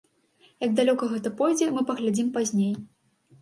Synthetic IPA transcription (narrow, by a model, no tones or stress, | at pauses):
jɐɡ̚d̪alʲɔkɐɣɛt̪ɐpɔjd͡zʲɛmɨpɐɣlʲad͡zʲimpazʲnʲej